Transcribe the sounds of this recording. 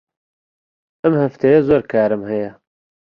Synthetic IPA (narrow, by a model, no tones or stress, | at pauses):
ɐmhɐft̪ʰejezoːɾkʰaːɾɨmhɐjɛ